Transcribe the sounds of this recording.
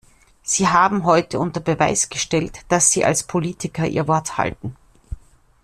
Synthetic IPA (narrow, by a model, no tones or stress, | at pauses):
z̥iːɦaːbm̩ɦɔʏtəʔʊntɐbəva̰ɪsɡ̥əʃtɛltd̥asz̥iːʔa̰lspʰoliːtʰɪkɐʔḭːɐvɔɐtha̰ltn̩